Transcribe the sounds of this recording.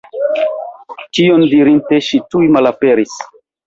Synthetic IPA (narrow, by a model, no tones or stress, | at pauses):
t͡ʃiondiɾinte̞ʃitujmalape̞ɾis